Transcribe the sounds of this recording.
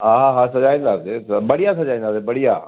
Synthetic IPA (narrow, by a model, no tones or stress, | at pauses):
ɦãːɦãɦãsɐd͡ʒaːĩnd̪aːsebəɽijasəd͡ʒaːĩnd̪aːsebəɽijaː